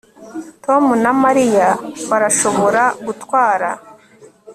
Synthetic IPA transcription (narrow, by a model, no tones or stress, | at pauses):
to̞munamaɾijaβaɾaʃo̞βo̞ɾaɡutwaːɾa